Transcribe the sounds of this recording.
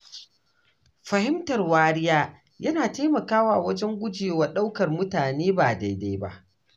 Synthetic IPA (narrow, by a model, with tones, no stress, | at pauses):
ɸɐ˨hɪ˦mtɐ˨rwaː˦ɾɪ˦jaː˦ | jɐ˦naː˨ta˦mɐ˨kaː˦waː˦˨wɐ˦d͡ʒɛ˦ŋɡʷʊ˦d͡ʒeː˨wa˨ɗa˦wkɐ˨rmʊ˦taː˨neː˦baː˨da˨jda˦jba̰˦ʔ